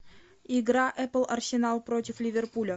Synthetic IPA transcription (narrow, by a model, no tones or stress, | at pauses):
ɪɡɾaʔɛpəlˠɐrsʲɪnɑlˠpɾotʲɪflʲɪvʲerpulʲə